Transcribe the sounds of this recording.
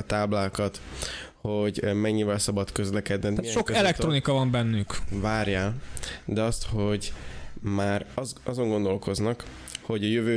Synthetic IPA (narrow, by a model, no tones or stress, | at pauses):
t̪aːblaːkɒt̪ | ho̞ɟmɛɲːivɛlsɒbɒt̪kø̞zlɛkɛd̪nɛnaʃo̞kɛlɛk̚t̪ro̞nikɒvɒmbɛnːykvaːrjaːld̪ɛɒst̪ho̞ɟmaːrɒzɒzo̞ŋɡo̞nd̪o̞lko̞znɒk | ho̞ɟɒjøvøː